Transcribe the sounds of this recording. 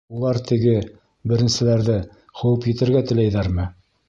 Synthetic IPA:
ulˠɑɾt̪ɘ̆ɡɘ | bɘ̆ɾɘ̆nsɘ̆læɾðɘ | χɵ̆wɘpjɘ̆t̪ɘ̆ɾɡæt̪ɘ̆læjðæɾmɘ

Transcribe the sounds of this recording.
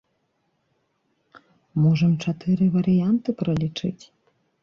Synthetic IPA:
mɔʐɐmt͡ʂat̪ɨɾɨvɐɾʲijant̪ɨpɾɐlʲit͡ʂɨ̰tʲ

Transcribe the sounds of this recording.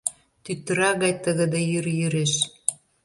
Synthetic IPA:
t̪yt̪ːəɾɑɣɑjt̪əɣə̆d̪ejyrjyɾeʃ

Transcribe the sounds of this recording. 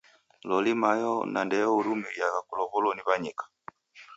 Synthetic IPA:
lɔlimajɔnandɛjɔuɾumɛjakakulɔβɔlɔniβaɲɛkḁ

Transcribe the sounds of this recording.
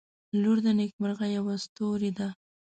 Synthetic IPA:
luɾd̪ənek̚məɾɣajawast̪oɾed̪a

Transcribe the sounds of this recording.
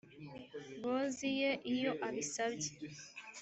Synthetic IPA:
bozije̞ʔijo̞ʔaβisabɟe̥

